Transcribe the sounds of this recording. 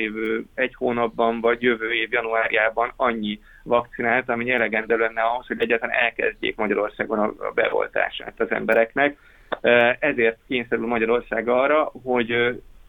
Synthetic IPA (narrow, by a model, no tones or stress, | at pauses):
eːvøːɛchoːnɒbːɒɱvɒɟjøvøːeːvjɒnuaːɾijaːbɒnɒɲːi | vɒkt̪sinaːlt̪ɒmiɛlɛɡɛnd̪ɛlɛnːɛɒɦo̞sho̞ɟɛɟːaːt̪ɒla̰nɛlkɛ̰zɟḛːkmɒɟɒɾo̞rsa̰ːɡonɒ̰bɛ̰o̰lt̪a̰ːʃa̰ːt̪ɒzɛ̰mbɛɾɛknɛk | ɛzeːrt̪̚keːɲsɛɾylmɒɟɒɾo̞rsaːɡɒrɒɦo̞ɟ